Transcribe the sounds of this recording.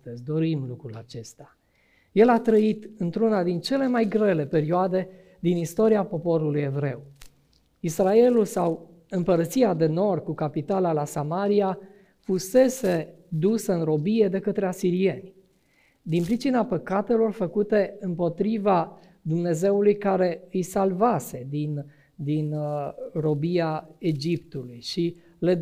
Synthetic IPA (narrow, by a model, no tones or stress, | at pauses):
əzʲd̪o̞ɾimlukɾula̰t͡ʃe̞st̪a | je̞lat̪ɾəit̪ɨnt̪ɾunad̪int͡ʃe̞le̞majɡɾe̞le̞pe̞ɾioad̪e̞ | d̪inist̪o̞ɾiapo̞po̞ɾuluje̞vɾe̞w | israe̞lulsaw | ɨmpəɾət̪siad̪e̞no̞rd̪̚kukapit̪alalasamaɾia | fuse̞se̞ | d̪usəɨnɾo̞bije̞d̪e̞kət̪ɾe̞asiɾie̞nʲ | d̪inpɾit͡ʃinapəkat̪e̞lo̞rfəkut̪e̞ɨmpo̞t̪ɾiva | d̪umne̞ze̞ulujkaɾe̞ɨjsalvase̞d̪in | d̪inro̞biae̞d͡ʒipt̪ulujʃi | le